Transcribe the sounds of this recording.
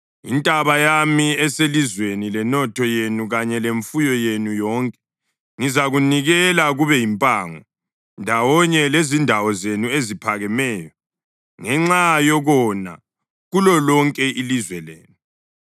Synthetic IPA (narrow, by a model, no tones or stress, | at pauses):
ḭntʼaβajamiɛselizwenilɛnɔtʰɔjenuɣaɲɛleɱfujɔjenujɔːŋkʼɛ̥ | ŋizaɣuniɣɛlaɣuβɛjimpʼaːŋɔ | ndʱawɔɲɛlezindʱawɔzenuezipʰaɣɛmɛːjɔ | ŋɛŋ͡ǁajɔɣɔna̰ | ɣulɔlɔŋkʼɛʔilizwɛlḛːnu